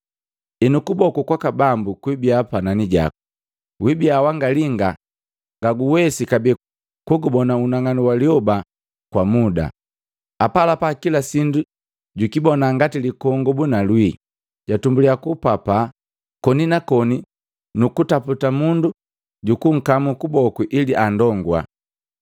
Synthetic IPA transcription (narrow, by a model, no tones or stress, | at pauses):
ɛnukubɔkukwakabambukwibiapananiɟa̰ku̥ | wibiawaŋɡaliŋɡa | ŋɡaɡuwɛsikabi | kuɡubɔnaunaŋaniwaliɔba | kwamuda̰ | apalapakilasindu | ɟukibɔnaŋɡatilikɔŋɡɔbunalwi | ɟatumbuliakupapa | kɔninakɔni | nukutaputamundu | ɟukuŋ̩kamukubɔkwiʔiliʔandɔŋɡwa̰